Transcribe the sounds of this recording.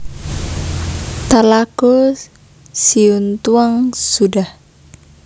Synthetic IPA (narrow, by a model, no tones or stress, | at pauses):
t̪alaɡo | siunt̪uaŋsudah